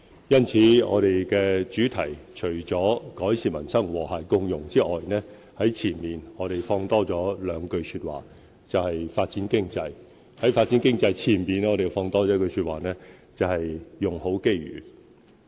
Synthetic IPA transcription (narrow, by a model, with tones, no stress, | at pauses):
jɐ˥nt͡sʰiː˨˥ŋɔ̰ː˨˧ɾe˨jkɛː˧t͡ʃyː˨˥t̪ʰɐ˨˩jt͡ʃʰɵ˨˩ɥt͡sɔː˨˥kɔː˨˥jsiː˨˧mɐ˨˩nsɐ˥ŋwɔː˨˩haː˨˩jkʊ˧ŋjʊ˨˩ŋt͡siː˥ʔɔː˨jnɛː˥ | hɐ˨˥jt͡sʰiː˨˩nmiː˨nŋɔː˨˧ɾe˨jfɔː˧ŋt̪ɔː˥t͡sɔː˨˥lœː˨˧ŋkɵ˧ɥsyː˧t̚wa̰ː˨˩ | t͡sɐ˨whɐ˨jfaː˧t̚t͡siː˨˥nkɪ˥ŋt͡sɐ˧j | hɐ˨˥jfaː˧t̚t͡si˨˥nkɪ˥ŋt͡sɐ˧jt͡sʰiː˨˩nmiː˨nɔː˨˧ɾe˨jfɔː˧ŋt̪ɔː˥t͡sɔː˨˧˥kɵ˧ɥsyː˧t̚waː˨˩nɛː˥t͡sɐ˨whɐ˨jːʊ˨˩ŋho˨˥wke˥jɥy̰ː˨˩